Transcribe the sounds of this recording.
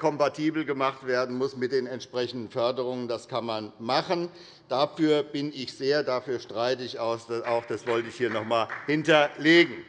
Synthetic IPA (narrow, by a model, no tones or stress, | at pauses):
kʰɔmpatʰiːbl̩ɡəmaχtv̥eːɐdn̩mʊsmɪt̚d̥eːnɛntʃpʁ̥ɛçn̩dn̩fœɐdəʁ̞ʊŋəndaskʰanmanmaχən | d̥afyːɐbɪnɪçz̥eːɐdafyːɐʃtʁ̥aɪtəɪçaʊsd̥aʊxd̥asv̥ɔltəɪçhiːɐnɔχmaːlhɪntɐleːɡŋ̩